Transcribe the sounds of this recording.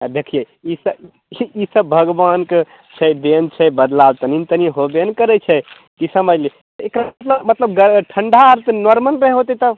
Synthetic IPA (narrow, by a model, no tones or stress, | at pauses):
d̪ekʰije | isə | isəbːʱəɡbanke | t͡ʃʰɛɖ̪ent͡ʃʰɛbəd̪lawt̪ənint̪əniɦobenkəɾɛt͡ʃʰɛ | k̪isəməd͡ʒli | t̪ekɾat̪ləbmət̪ləbɡəʈʰəɳɖʱaɾt̪nɔɾməlɾəɦɛɦot̪ɛt̪ə